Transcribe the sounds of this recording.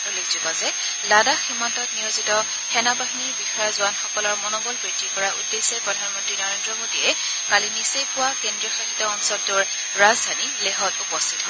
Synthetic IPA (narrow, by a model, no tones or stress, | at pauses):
ulekzubɔzɛ | ladaximːantɔtnijozitɔ | xɛnabaɦiniɹbixɔjɔzʊanxɔkɔlɔɹmɔnɔbɔlbɹitːikɔɹaʔṵdːesɛpɹɔdʱanmɔntɹinɔɹendɹɔmodiɛ | kalinisejkʊwakendɹiɔxaɦitɔːŋsɔdduɹ | ɹazdʱanileɦɔtupɔstʰitɦɔ